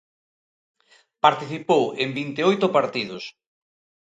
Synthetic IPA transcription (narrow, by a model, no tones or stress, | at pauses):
paɾt̪iθipowembint̪eojt̪ʊpaɾt̪iðʊs